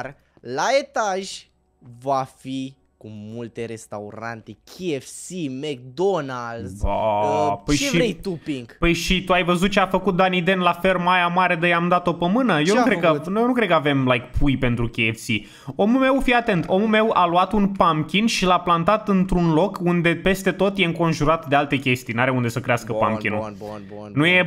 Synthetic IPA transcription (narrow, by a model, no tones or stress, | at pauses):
r | laet̪aʒʲ | vafi | kumult̪eɾe̞st̪auɾa̰nt̪ekʲʰiefsimek̚d̪onald̪zapəjʃiejt̪upiŋɡpəjʃit̪uajvəzut̪̚t͡ʃeafəkut̪̚d̪anid̪e̞nlafe̞lmajamaɾed̪ejamd̪at̪o̞pəmɨnəjonukɾekənjonukɾe̞d̪̚kəave̞mlajkpʰujpe̞nt̪ɾukʲeefsi | o̞mulme̞wfiat̪e̞nt̪ʰo̞mulme̞waluat̪unpamkʲinʃilaplant̪at̪ɨnt̪ɾunlo̞kund̪e̞pe̞st̪e̞t̪o̞t̪je̞ɨŋko̞nʒuɾat̪d̪ealt̪e̞kʲe̞st̪ijnaɾeund̪e̞səkɾeaskəpa̰mkinu | nuje̞